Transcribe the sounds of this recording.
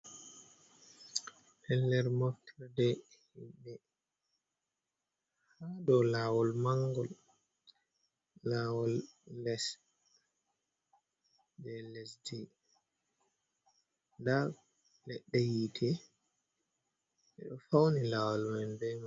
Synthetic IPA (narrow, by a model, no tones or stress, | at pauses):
hɛlːɛɾmɔftʰɾdɛ | hiɓɛ | hadɔlaːwɔlmaŋɡɔl | aːwɔlːɛs | dɛlɛsdɛ | da | lɛɗːɛjitʰɛ | ʔɛɗɔfawnilaːwɔlmanbɛma